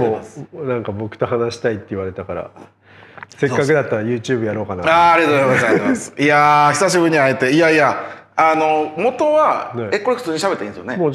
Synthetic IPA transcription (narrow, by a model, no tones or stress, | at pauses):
monãŋkabo̞kɯ̟̥t̪o̞ɦanaɕi̥t̪ait̪ːeiβaɾe̞t̪akaɾa̰ | se̞kkːakɯ̟d̪at̪ːaɾajɯ̟ːt͡ɕɨːbɯ̟jaɾo̞ːkanaaːɾʲiat̪oɡzaimaasiaçi̥saɕ̬ibɯ̟ɲ̟ːiaet̪e̞iaia | ano̞mo̞t̪o̞βae̞ko̞ɾe̞hɯ̥t͡sɨːɲ̟iɕabt̪ːeĩnesɨjonemoː